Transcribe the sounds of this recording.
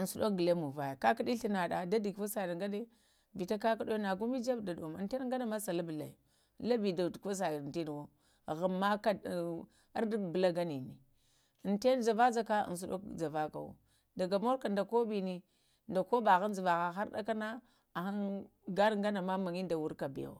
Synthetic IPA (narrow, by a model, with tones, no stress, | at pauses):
ə˨su˨ɗo˦k̚ɡə˨le˦mu˨va˨ja˨ka˦ka˦ɗi˦ɬi˦na˨ɗa˨da˦di˨ɡfa˦sa˨jŋɡa˦ne˦ | vi˨ta˦ka˦ka˦ɗo˦na˨ɡu˦mi˦d͡ʒa˦bda˨ɗo˨m̰˨te˦n˦ŋ˦ɡa˦na˦ma˦sa˨la˦bə˨la̰˨i˨ | la˦bi˨da˨dko˦s̬a˨te˦n˨wo˦˨ | ɣa˨mːa˦ka˦˨ | a˦ɾdbə˨la˦ɡa˦ni˨ni˨ | nte˦nd͡ʒa˨va˦d͡za˦ka̰˦˨n˨s̬u˦ɗo̰˦kd͡za˨va˦ka̰˨wo̰˨ | da˨ɡa˨mo˦ɾka˨nda˨ko˦bi˨ni˦ | nda˨ko˦ba˨ɣa˦n˦d͡zi˨va˨ɣa˨ɦa˦ɾda̰˦ka˦na˦ | a˨xa˦n | ɡa˦n˦ɡa˦na˨ma˦ma˨ŋi˦nda˨wu˦ɾka˨bḭ˨o̰˨